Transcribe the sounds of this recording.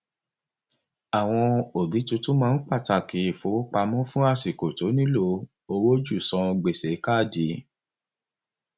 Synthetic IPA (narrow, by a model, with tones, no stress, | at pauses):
a˨w̃ɔ̃˧o˨ɡi˨˦tu˧˦tũ˦mãː˦˧n̩˦k͡pa˦˨ta˦˨ki˨˦i˦˨fo˨˦wo˦k͡pa˧mɔ̃˦fũ˦a˦˨si˨ko˨to˨˦nĩ˦lo˧˦ | o˧wo˦d͡ʒu˦˨sɔ̃˧ɡ͡be˨se˨˦ka˦˨di˨˦